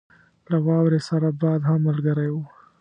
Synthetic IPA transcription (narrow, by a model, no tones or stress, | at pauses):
lawɑwɾesaɾabɑːd̪hamːalɡəɾaju